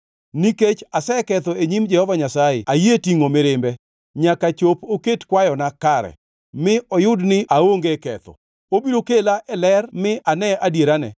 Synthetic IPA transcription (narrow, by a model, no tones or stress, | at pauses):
niket͡ʃasɛkɛt̪ɔeɲimd͡ʒɛhɔvaɲasajɪ̰ajetiŋomɪɾɪmbɛ | ɲakat͡ʃopoketkwajɔnakaɾɛ̰ | mɪɔjʊdnɪaoŋɡekɛ̰t̪ɔ̰ | obiɾokelaʔɛlɛrmɪʔanɛʔadjeɾanɛ̰